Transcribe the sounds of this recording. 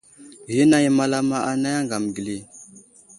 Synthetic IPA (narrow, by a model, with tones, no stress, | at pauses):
ɣi˦na˦ji˦ma˦la˦ma˦ʔa˨na˦ja˦ŋɡa˨m˨ɡi˨li˨